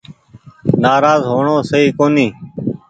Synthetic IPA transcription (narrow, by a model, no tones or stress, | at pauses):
naːɾaːzɦoːɳõːsəɦiːkoːniː